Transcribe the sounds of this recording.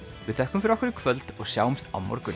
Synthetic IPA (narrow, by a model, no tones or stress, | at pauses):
vɪðθɛhkʏmfɪɾvɔhkɪɾɪ̥kʰvœlt̪ɔɣsjaːwmst̪a̰wmɔ̰ɾkʏ